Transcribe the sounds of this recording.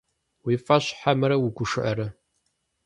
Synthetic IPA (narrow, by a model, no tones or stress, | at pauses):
wiːfɐɕħamɐɾɐwʊɡʷʊʂɨʔɐɾɐ